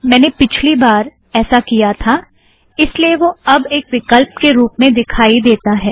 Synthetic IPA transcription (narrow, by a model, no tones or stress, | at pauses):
mɛ̃ːnepɪt͡ʃʰlibaːɾ | ɛːsakijat̪ʰa | ɪslieʋoɐbeːkʋɪkəlp̚keɾuːpmẽd̪ɪkʰaːid̪eːt̪aɦɛː